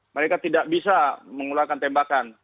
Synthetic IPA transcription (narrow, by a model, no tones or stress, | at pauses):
məɾekat̪idaʔ̚bisaməŋulakant̪ɛmbakan